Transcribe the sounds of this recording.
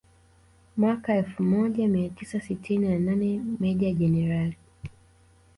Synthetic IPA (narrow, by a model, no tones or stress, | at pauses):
mwakaɛlfumɔʄamiatisasitʰininananɛmɛʄaʄɛnɛɾali